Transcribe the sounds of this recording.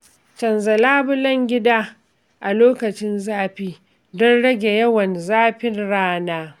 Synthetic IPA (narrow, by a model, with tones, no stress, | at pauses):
t͡ʃɐ˨nzɐ˨laː˦bʊ˦lɐ˦ŋɡʲɪ˦daː˦ | ʔa˨loː˦kɐ˨t͡ʃɪ˦nzaː˦ɸiː˦ | dɔ˦nɽɐ˦ɡʲe˨jɐ˦wɐ˨nzaː˦ɸɪ˦nɽaː˦naː˦